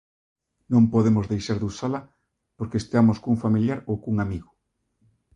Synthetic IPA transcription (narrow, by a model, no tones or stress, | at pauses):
nõmpoðemozðejʃaɾðusalɐ | poɾkest̪amoskuŋfamiljaɾowkuŋamiɣʊ